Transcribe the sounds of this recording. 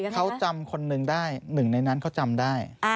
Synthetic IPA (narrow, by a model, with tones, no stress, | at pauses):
kʰa˦˥wt͡ɕa˧mkʰo˧nːɯ˧ŋdaː˥˩jnɯ˨˩ŋna˧jna˦˥nkʰa˦˥wt͡ɕa˧mdaː˥˩j